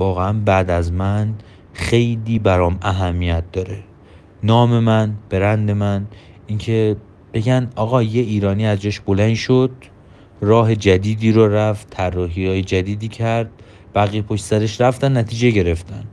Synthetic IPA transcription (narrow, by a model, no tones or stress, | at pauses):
vɒːɣeænbæːd̪æzmæn | xe̞jliːbæɾɒːmæɦæmːijæt̪̚ʰd̪̥ɒːɾe | nɒːme̞mænb̥e̞ɾænd̪e̞mæn | incʰe̞ | b̥e̞ɡʲænd̪ʔɒːɣɒːje̞iːɾɒːniːæzd͡ʒɒːʃbo̞lænd̪ʃod̪̥ | rɒːɦe̞d͡ʒæd̪iːd̪iːɾoɾæftt̪ʰːærːɒːɦihɒːjed͡ʒæd̪iːd̪iːcʰæɾd̪̥̚ | b̥æɣijepʰoʃt̪sæɾeʃɾæft̪ænːæt̪ʰiːd͡ʒe̞ɟe̞ɾe̞ft̪ʰæn